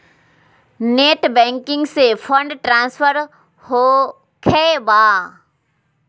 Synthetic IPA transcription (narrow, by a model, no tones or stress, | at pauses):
neːʈbɛ̃ːŋkɪ̃ŋɡsepʰə̃ɳɖʈɾãːnspʰəɾ | ho | kʰɛbaː